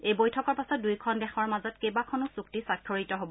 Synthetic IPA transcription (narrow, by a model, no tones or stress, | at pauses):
ejbojtʰɔkɔɹpasɔt̚dujkʰɔndɛxʰɔɹmazɔtkejbakʰɔnɔsuk̚tisakʰːoɹitɔɦobɔ